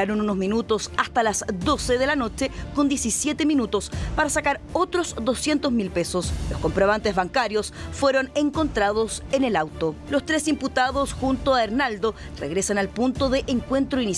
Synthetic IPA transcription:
aɾonunozminut̪osast̪alasd̪o̞seðelano̞t͡ʃekond̪je̞sisjet̪eminut̪o̞spaɾasakaɾ | ot̪ɾosd̪o̞sje̞nt̪ozmilpesoslosko̞mpɾoβ̞ant̪ezβaŋkaɾjosfwe̞ɾo̞neŋko̞nt̪ɾað̞osenelawt̪olost̪ɾesimput̪aðosxunt̪oaeɾnald̪o | reɣɾe̞sanalpunt̪oðeʔeŋkwe̞nt̪ɾoini

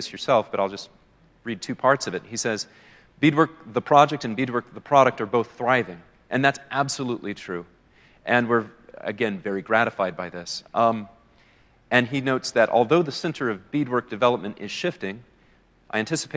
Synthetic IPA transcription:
ɪsjə˞sɛlˠfb̥ʌɾaɪlˠd͡ʒʌst̚ | ɹid̚tʰʉpʰɑɹtsʌvɨt̚hisɛz | b̥idwɜ˞k̚ðəpʰɹ̥ɑd͡ʒɛk̚tɨ̃nbid̚wɜ˞k̚ðəpʰɹ̥ɑɾɨk̚tə˞boʊθθɹaɪvɪ̃ŋ | ʔɨ̃nðætsʔæb̥səluʔlitʰɹ̥ʉ | ʔɨ̃nwɪɹɨ̰ɡɛ̃nvɛɹiɡɹæɾɨfaɪd̚baɪðɪs | ʔɨ̃ninoʊtsðɨɾʔɔ̰lˠðoʊðɨsɛ̃ntʰə˞ʌvbid̚wɜ˞k̚d̥ɨvɛlˠəp̚mɨ̃ntɪ̰z̥ʃɪftɪ̃ŋ | ʔaɪæ̃ntʰɪsə̥pʰe

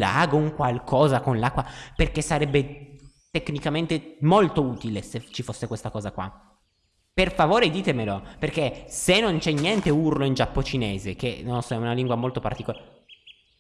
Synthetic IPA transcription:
la̰ːɡouŋkwalkɔːzakonlakːwaperk̟esaɾɛbːe | t̪ekːnikament̪emolt̪ouːt̪ileset͡ʃifosːekwest̪akɔːzakwa̰ | perfavoːɾed̪iːt̪emeloperkesenːont͡ʃɛnːjɛnt̪eurloind͡ʒapːot͡ʃineːzek̟ḛnolosɔɛunaliŋɡwamolt̪opart̪ikola

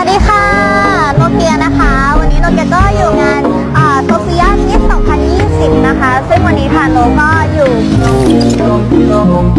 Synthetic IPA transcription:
diːxʰa | lokiənakʰa | wanːiːnoŋkɛːkɔːjuːŋan | ʔəːsoːfʰiaːiisɔŋpʰanjiːsip̚nakʰasɯŋwanːiːkʰanoːkɔːjuː

